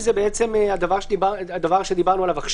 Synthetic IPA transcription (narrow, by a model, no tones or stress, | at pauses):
zebeet͡se̞mead̪avaʁʃibad̪avaʁʃe̞d̪ibaʁnualavaχʃ